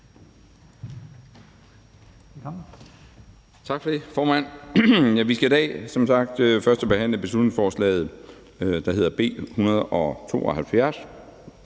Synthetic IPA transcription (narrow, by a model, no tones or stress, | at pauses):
t͡sʰɑ̈ɡ̥fɒ̽d̥e̝fɒːmæn̰jæʋisɡ̥æid̥ɛ̰ːsɒ̽msɑ̈ɡ̥̚d̥fɶɐsd̥ɒb̥e̝ɦæn̰ləb̥e̝slud̥neŋsfɒːslɛ̰ːð̞̩ˠ | d̥ɑ̈ɦe̝ð̞̰ˠɐb̥e̝̰ːhunɐð̞̩ˠɒ̽t͡sʰo̝̰ːɒ̽hælfjæɐs